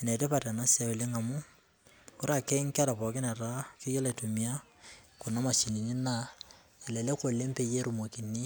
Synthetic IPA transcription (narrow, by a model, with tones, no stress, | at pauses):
e˨ne˨ɾe˦pa˨ɾa˨na˦sa˨we˨le˦ŋa˨mʊ˦ | ʊ˦ɾa˦˨kɛ˦ŋ˦ka˦ɾa˨pɔ˨kɪ˦na˨ɾa˦kɪ˦jɔ˦le˨to˨mi˨a˦ | kʊ˨na˦ma˨t͡ʃi˨ni˨ni˦na˦˨ | e˨le˨le˦ko˨le˦mpe˨je˦ɾu˨mo˨ki˨ni˦